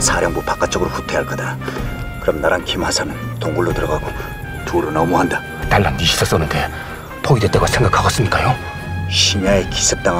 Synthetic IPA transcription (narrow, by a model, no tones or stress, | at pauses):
sʰaɾjʌŋbupak͈at͡ɕ͈ʌɡɯɾoɸu̥tʰe̞ɦaɭk͈ʌdakɯɾʌmnaɾankʰimhasʰanɯntoŋɡuɭːotɯɾʌɡaɡo | tuɾonʌmuɦanda | taɭːandiɕʰi̥s͈ʌs͈ʌnɯnke | pʰoidwet͈̚aɡasʰeŋɡakʰːaɡas͈ɯmɲik͈ajo | ɕʰiɲaeki̥sʰɯp̚t͈aŋ